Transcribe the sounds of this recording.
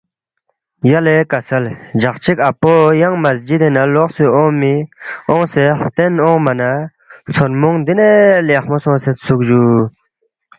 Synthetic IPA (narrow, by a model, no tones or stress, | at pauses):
jalekasald͡ʑaχt͡ɕʰik̚apojɑŋmasd͡ʑit̪enaloχsøʔomioŋset̪enoŋmana | t͡sʰormoŋnd̪ineleχmosõŋset̪suk̚ʑu